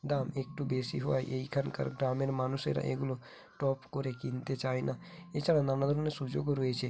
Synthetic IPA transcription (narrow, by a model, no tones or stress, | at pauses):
d̪aːmeːk̚ʈubeːsiɦoa̰ːḭʔeikʰənkə̰ɾɡɾaːmeɾmaːnusḛɾa̰ʔḛɡulo | ʈɔːpkoɾekĩnt̪et͡ʃaːɦina | et͡ʃaɽãnaːnad̪ɾunesud͡ʒoɡoɾoet͡ʃʰe